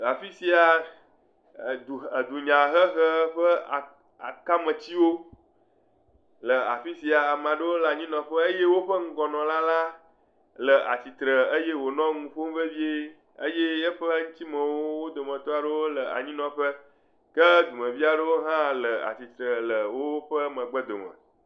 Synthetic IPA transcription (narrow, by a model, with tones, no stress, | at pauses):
a˨fi˦si˨a˨ | d̪u˨ə˨d̪u˨ɲã˨xə˦xə˦ɸə˦a˨ | a̰˨ka˦mə̃˨t͡ɕi˦wo˦ | lə˨a̰˨fi˦si˨a˨mã˨ɖə˦wo˦lə˨a˨ɲĩ˦nɔ̃˨ɸə˦ə˦je˦wo˦ɸə˦ŋ̩˦ɡɔ˨nɔ̃˨la˦la˦ | lə˨a̰˨t͡ɕi˨t̪ɾə˨ə˦je˦wo˨nɔ̃˦ŋũ˨ɸo˦m˦ve˦vi˦e˦ | ə˦je˦jə˦ɸə˦ŋũ˦t̪i˦mə̃˨wo˦wo˦d̪o˨mə̃˨t̪o˦a˨ɖə˦wo˦lə˨a̰˨ɲĩ˦nɔ̃˨ɸə˦ | kə˦d̪u˨mə̃˨vi˦a˨ɖə˦wo˦ɦã˦lə˨a̰˨t͡ɕi˨t̪ɾə˨lə˨wo˦ɸə˦mə̃˨ɡ͡bə˦d̪o̰˨mə̰̃˨